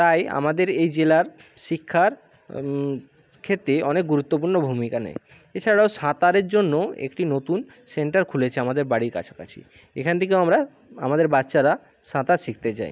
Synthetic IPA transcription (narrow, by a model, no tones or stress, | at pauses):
t̪aja̰mad̪eɾejd͡ʑelaɾ | ʃikʰːaɾ | kʰet̪ːɾeɔnek̚ɡuɾut̪ːop̬uɾnobʱumikanɛ̰j | et͡ɕʰaɽaoʃãt̪aɾeɾd͡ʑonːoḛkʈinot̪un | seɳʈaɾkʰulet͡ɕʰeamad̪eɾbaɽiɾka̰t͡ɕʰḁka̰t͡ɕʰḭ | ḛkʰanet̪ʰekewamɾa | a̰mad̪eɾbatːɕaɾa | ʃãt̪aʃik̚t̪et͡ɕa̰j